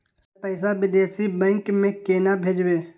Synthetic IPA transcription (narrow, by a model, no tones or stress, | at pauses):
pəɪsaʋɪd̪eːsibɛ̃ːŋkmẽkeːnabʱeːd͡ʒbẽː